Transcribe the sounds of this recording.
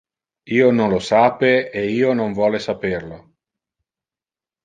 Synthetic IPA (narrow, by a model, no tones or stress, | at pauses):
iːonõnlosaːpeeiːonoɱvwɔːlesaperlo